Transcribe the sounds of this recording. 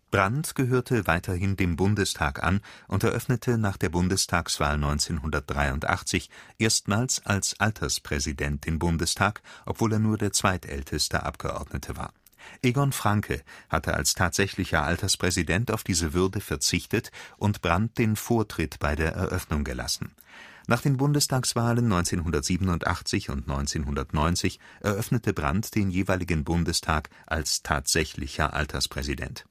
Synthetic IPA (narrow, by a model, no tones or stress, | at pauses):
b̥ʁantɡ̥əɦøːɐtʰəvaɪtʰɐɦɪndeːmbʊndəstʰaːkʔa̰nʔʊntɛɐʔœfnətʰənaːχd̥eːɐbʊndəstʰaːksv̥a̰ːlnɔʏnt͡seːnɦʊndɐt̚d̥ʁaɪʊntʔa̰χt͡sɪçʔeːɐstmaːlsʔalsʔaltʰɐspʁ̥ɛzidɛnt̚d̥eːmbʊndəstʰaːkʔɔpv̥oːleːɐnuːɐdeːɐt͡sv̥aɪtʔɛ̰ltʰəstə̰ʔa̰pɡ̥ə̰ʔɔ̰ɐdnətʰəva̰ːɐ | ʔeɡɔnfʁ̥aŋkʰə̰hatʰəʔa̰lstʰaːtz̥ɛçlɪçɐʔaltɐspʁ̥ɛzidɛntaʊfd̥iːzəvʏɐdəfɛɐt͡sɪçtətʔʊntb̥ʁant̚d̥eːnfoːɐtʁ̥ɪtb̥aɪdeːɐʔɛ̰ɐʔœfnʊŋɡəla̰sn̩ | naːχd̥eːnbʊndəstʰaːksv̥aːlənːɔʏnt͡seːnɦʊndɐtz̥iːbənʊntʔa̰χt͡sɪçʊ̰ntnɔʏnt͡seːnɦʊndɐtnɔʏnt͡sɪçʔɛɐʔœfnətʰəbʁa̰ntd̥eːnjeːvaɪlɪɡən̩bʊndəstʰaːk | ʔalstʰa̰ːtz̥ɛçlɪ̰çɐ̰ʔa̰ltʰɐspʁ̥ɛzidɛ̰nt